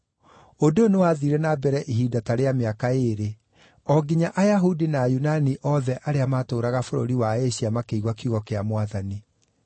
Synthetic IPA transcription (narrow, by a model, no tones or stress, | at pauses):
odonewaːðiɾɛnabɛɾɛʔiɦiːdataɾeameakaeɾe | ɔɡiɲaʔajaɦudinaːjunaniʔɔðɛʔaɾeamaːtoːɾaɣafoɾo̰ɾiwaeɕiamakeiɣwakjuɣɔkeamwaðani